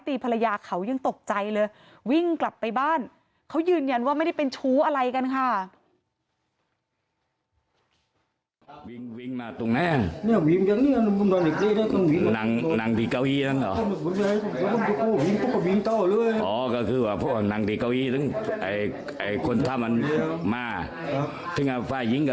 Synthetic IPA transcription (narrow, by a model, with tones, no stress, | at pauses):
t̪iː˧˩pʰa˧la˧jaː˧kʰa˨˩˦wja˧ŋt̪o˨˩k̚t͡ɕa˧jlɤː˧j | wi˥˩ŋkla˨˩pːa˧jbaː˥˩n | kʰa˦˥wjɯː˧nja˧nwaː˥˩a˥˩jda˥˩pe˧nt͡ɕʰuː˦˥ʔa˧ɾa˧jka˧nkʰa˥˩ | wi˧ŋwi˧˩ŋmaː˧t̪u˨˩ŋna˨˦˥a˨˩ni˧˩˨wi˧˦ŋja˧˩ŋ̚niː˧˥˨n˧mu˧˥ndɔ˧˦nde˨˩k̚liː˧˩˨aː˧˥˩k̪ɔ˧˨nwi˧˦na˨˦ŋ˧na˨˦ŋd̪iː˧˩ka˧˨wʔiː˧˩na˦˧˥nɔ˨˦˧m˧˩˨bu˨˦na˧˨˧kɔ˧˩mu˧˦ɔ˧˩˨o˧koː˧˩wi˧˥ŋt̪o˧˥˩kɔ˧˩wi˧ŋt̪ɔː˧˩lɯ˥˩əjʔɔː˨˦kɔː˧˩kʰɯː˧waː˧˩pʰɔ˦˥a˧˩na˨˦ŋd̪iː˧˩kaː˧˨wʔiː˧˩t̪ɯ˧˥˩ŋʔa̰˨˩j | ʔa˨˩jkʰo˧nt̪ʰa˧˩mʔa˧n˧maː˧ | a˦ | t̪ʰɯ˧˩ŋa˧˩fʰaː˧˩ji˧˦ŋk